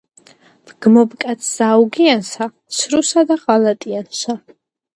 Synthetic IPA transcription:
v̥ɡ̥mɔbkʼat̪sʰz̥auɡiansa | ʃɾusad̪aʁalat̪ʼianʃa

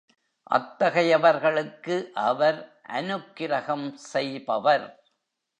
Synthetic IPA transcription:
ʔɐ̰t̪ːɐɣɐjɐʋɐɾɣɐɭɯkːɯʔɐʋɐɾʔɐ̰nɯkːɪɾɐɣɐmsɛjbɐʋɐɾ

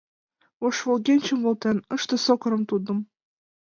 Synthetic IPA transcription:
oʃvolɣʲenʲt͡ɕə̆mvŏlt̪enɤʃt̪ɤ̆sokɤ̆ɾɤ̆mt̪ud̪ə̆m

